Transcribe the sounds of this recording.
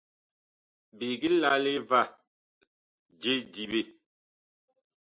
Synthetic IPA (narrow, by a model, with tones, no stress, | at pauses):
bi˨ɡi˦la˦le˦va˦˨ | d͡ʒe˦di˨be˦˨